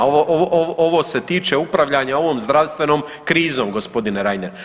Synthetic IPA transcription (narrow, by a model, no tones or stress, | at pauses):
ooʔoʔoʔoʋo̞se̞t̪iːt͡ʃeupɾaʋʎaɲao̞ʋo̞ːmzd̪ɾaʋst̪ʋe̞no̞ːmkɾiːzo̞ːmɡospo̞d̪ineɾajneɾ